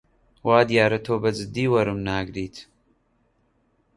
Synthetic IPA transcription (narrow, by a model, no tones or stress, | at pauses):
waːd̪jaːɾɐt̪ʰoːbɐd͡ʒɨd̪ːiːwɐɾɨmnaːɡɾiːt̪ʰ